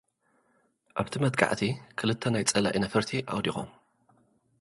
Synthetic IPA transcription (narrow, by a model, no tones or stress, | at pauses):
ʔaβt̪ʰimɐt̪̚ʼkʰʼa̰ʕt̪ʰikʰɨlɨt̪ʰːɐnajt͡sʼɐla̰ʔinɐfɐɾt̪ʰiʔa̰wd̪ixo̰m